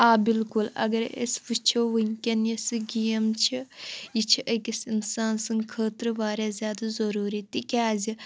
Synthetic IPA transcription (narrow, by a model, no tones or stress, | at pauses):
aːbilkulɐ̰ɡɐɾḛsʋut͡ʃʰoʋɐŋʲkʲɐnɐsɨɡijɐmt͡ʃʰijit͡ʃʰiʔɐkʲɐsinsaːnsɨŋɡkʰəːt̪ɾɨʋaːɾʲjaːzʲjaːd̪azɐɾuːɾit̪ikʲaːzi